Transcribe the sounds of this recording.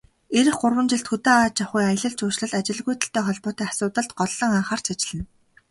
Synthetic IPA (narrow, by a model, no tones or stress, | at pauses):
eɾɘ̆xɢʊrwə̆nt͡ɕɪ̆ɬt̪xɵt̪aːaːt͡ɕaχujajə̆ɮə̆ɮt͡ɕʰʊːʃɮə̆ɮat͡ɕɪ̆ɮɣujt̪ə̆ɬt̪ʰeːχɔɮpʊːt̪iːasʊːt̪ə̆ɮt̪ɢɔɮːɞ̆ŋaːχaːr̥t͡ɕʰat͡ɕɪ̆ɮɘ̆n